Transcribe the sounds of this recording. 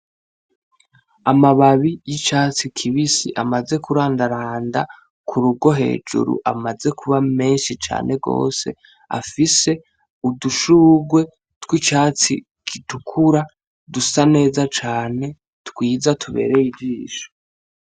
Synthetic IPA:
amaβaβijit͡ʃaːt͡sikʰiβisḭʔamaze̞kuɾaːndaɾaːnda | kʰuɾuɡo̞ɦe̞̰ːd͡ʒṵɾṵʔamaze̞kʰuβame̞ːnʃit͡ʃa̰ːnʔe̞ɡo̞̰ːse̞̰ | a̰fise̞ | uduʃuːɡwe̞ | twit͡ʃaːt͡sḭ | kʰitukʰuɾa | dusane̞ːzat͡ʃaːne̞ | tkwiːzatʰuβe̞̰ːɾe̞jibd͡ʒiːʃo̥

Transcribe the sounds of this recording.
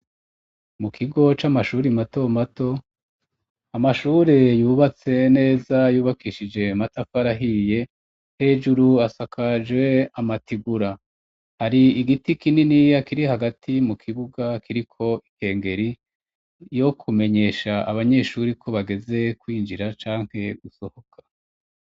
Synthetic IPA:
mukʰiɡo̞t͡ʃamaʃuːɾimato̞mato̞ | amaʃuːɾe̞juːβat͡se̞ne̞ːzajuːβakiʃid͡ʒe̞matafaɾaɦije̞ | he̞ːd͡ʒuɾuasakʰad͡ʒwe̞amatiɡuɾa | haɾiiɡitikininijakiɾihaɡatʰimukʰiβuɡakiɾikʰo̞iŋhe̞ːŋɡe̞ɾi | jo̞kʰume̞ɲe̞ːʃaaβaɲe̞ʃuːɾikʰo̞βaɡe̞ze̞kwiːnd͡ʒiɾat͡ʃaːŋ̥he̞ɡuso̞ho̞kʰḁ

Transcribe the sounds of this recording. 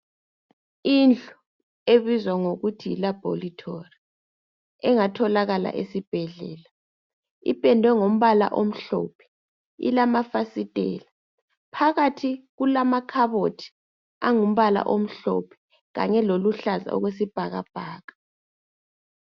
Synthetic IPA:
ind͡ɮʱu | eβizwaŋoɣutʰiḭlab̥ʱolitʰori | ɛŋatʰɔlaɣala̰ʔesib̥ʱɛɮɛːla | ḭpʼɛndʱwɛŋom̩βala̰ʔom̩ɬɔ̰ːpʰɛ̥ | ḭlamafasitʼɛ̰ːla | pʰaɣatʰiɣulamakʰaβotʰi̥ | aŋum̩βala̰ʔom̩ɬɔ̰pʰɛ̥ | ɣa̰ɲɛloluɬaza̰ɔ̰ɣwes̬ib̥ʱaɣa̰b̥ʱaːɣḁ

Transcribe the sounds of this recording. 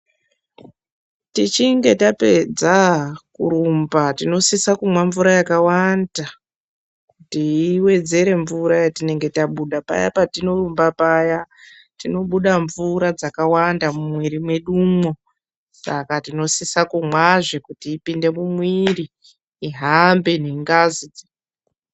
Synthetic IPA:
tit͡ʃiŋɡe̞tape̞d͡zakṵɾumbatino̞sisakumwaɱvuɾajakawanda | kkutiːwe̞d͡ze̞ɾe̞ɱvuɾajatine̞ŋɡe̞taɓuɗapa̰ja̰patino̞rumbapaja | tino̞ɓuɗaɱvuɾad͡zakawandamumwiɾimwe̞ɗuːmwo̞ | sa̰katino̞sisakumwaʐekutiːpinde̞mumwiriː | ɦambe̞neŋɡazid͡zi

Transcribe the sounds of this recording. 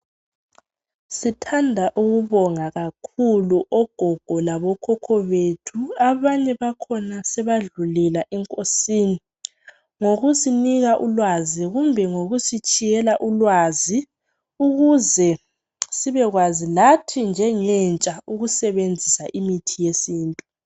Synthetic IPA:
sitʰandʱaʔuɣuβɔŋaɣakʰuluʔɔɡ̥ʱɔɡ̥ʱɔlaβɔkʰɔkʰɔβetʰuaβaɲɛβakʰɔnasɛβaɮulɛlaʔɛŋkʼosiːni | ŋoɣusiniɣaʔulwaziɣumbʱɛŋoɣusit͡ʃʼijɛlaʔulwazi | uɣuzɛ | siβɛɣwazilatʰind͡ʒʱɛŋɛnt͡ʃʼauɣusɛβend͡zʱisaʔimitʰijesiːntʼu

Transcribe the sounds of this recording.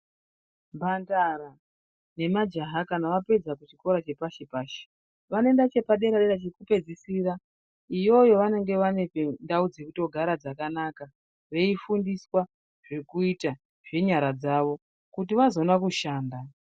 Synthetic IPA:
mbandaɾa | ne̞mad͡ʒaɦakanaʋape̞d͡zakut͡ʃiko̞ɾat͡ʃe̞paʃepaːʃe̥ | ʋane̞ndat͡ʃe̞paɗe̞ɾaɗeɾat͡ʃikupe̞d͡zisiɾa | ijo̞jo̞ʋane̞ŋɡe̞ʋane̞pendaud͡ze̞kuto̞ɡʱaɾad͡zakanaka | ʋe̞ifundiswa | ʐ̥ekuita | ʐe̞ɲaɾad͡zaːʋo̞ | kut̬iʋazo̞nakuʃaːnda

